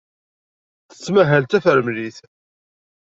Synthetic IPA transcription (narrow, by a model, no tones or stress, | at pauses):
θə̥t͡sːmæɦælt̪æfəɾmliθ